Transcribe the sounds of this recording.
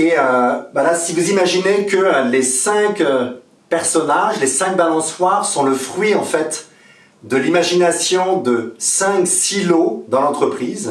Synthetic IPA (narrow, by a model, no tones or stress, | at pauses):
eøvalasivuzimaʒinekəlesɛ̃kø | pɛʁsɔnaʒlesɛ̃k̚balɑ̃swaʁsɔ̃ləfχɥiɑ̃fɛt̪ | d̪əlimaʒinasjɔ̃d̪əsɛ̃ksilod̪ɑ̃lɑ̃t̪χəpχiz